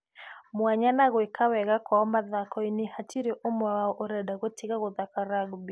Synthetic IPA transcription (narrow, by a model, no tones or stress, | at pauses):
mwaɲanaɣwekʰawɛɣakwaɔmaðakʰɔinehatʰiɾeʔomwaɔʔoɾɛdaɣwetʰiɣaɣoðakaɾaɡbi